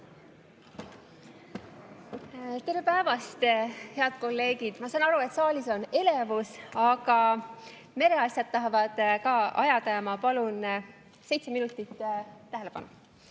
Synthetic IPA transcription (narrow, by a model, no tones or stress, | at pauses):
t̪e̞ɾepæevɑst̪he̞ɑd̪̥ko̞lːe̞ːɡid̪̥mɑsɑnɑɾue̞t̪ˑsɑːlʲiso̞ne̞le̞vusɑɡ̥ɑ | me̞ɾe̞ɑsʲjɑd̪̥̚t̪ɑɦɑvɑd̪̥kɑːɑ̰jɑt̪ɑjɑmɑpɑlun | se̞jt̪seminut̪ːˑit̪ːt̪æɦele̞pɑ̰nu